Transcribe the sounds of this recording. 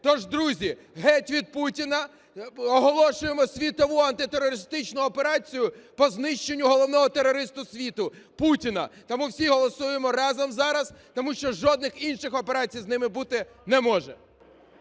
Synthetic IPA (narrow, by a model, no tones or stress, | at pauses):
t̪ɔʒd̪ɾuzʲi | ɦɛtʲʋʲid̪̚putʲinɐ | ɔɦɔlˠɔʃʊjemɔsʲʋʲit̪ɔʋuɐnt̪ɪt̪erːɔɾɪst̪ɪt͡ʃnʊɔpe̞ɾɑt͡sʲijʊpɔznɪʃt͡ʃenʲːʊɦɔlˠɔwnɔɦɔt̪eɾːɔɾɪst̪ʊsʲʋʲit̪ʊputʲinɐt̪ɔmuwsʲiɦɔlˠɔsujemɔɾɑzɐmzɑɾɐst̪ɔmuʃt͡ʃɔʒɔd̪nɪxinʃɪxɔpe̞ɾɑt͡sʲijznɪmɪbut̪ɪ | nɛmɔʒɛ